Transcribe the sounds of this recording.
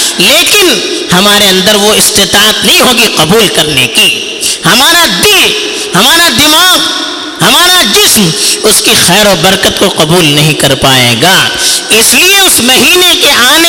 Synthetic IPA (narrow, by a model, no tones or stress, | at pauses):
leːkɪn | hɐmaːɾeɐ̃nd̪əɾʋoɪst̪et̪aːət̪nɐɦĩɦoːɡiqɐbuːlkɐɾneki | hɐmaːɾad̪ɪl | hɐmaːɾad̪ɪmaːɡ | ɦɐmaːɾad͡ʒɪsmʊskixɛːɾɔːɾbɐɾkət̪koqɐbuːlnɐɦĩkɐɾpaːḛːɡaːɪslieʊsmɐɦiːnekeʔaːne